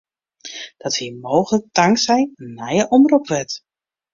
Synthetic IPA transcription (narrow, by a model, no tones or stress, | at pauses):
d̥ɔtʋimoːxlək̚tʰaŋsɛjnːajəʔɔmrupʋɛt